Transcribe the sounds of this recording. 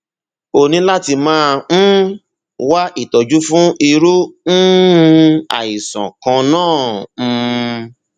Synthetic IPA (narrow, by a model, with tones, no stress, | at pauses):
o˧nĩ˨˦la˦ti˧mãː˦˧˦ | wa˦ʔi˦˨tɔ˨d͡ʒu˦fũ˦ʔi˧ɾu˦n̩˦ | a̰˨i˨sã̰˨kã˧nãː˦˨˧